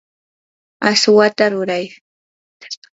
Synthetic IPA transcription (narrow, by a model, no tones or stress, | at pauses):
aswat̪aɾʊɾaj